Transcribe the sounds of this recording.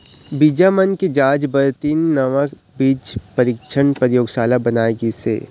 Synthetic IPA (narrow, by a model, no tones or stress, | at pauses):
bid͡ʒamənked͡ʒaːd͡ʒbəɾt̪iːnːɐʋək | biːd͡ʒpɐɾɪkʃʰənpəɾjoːɡʃaːlabɐnaːeɡisḛː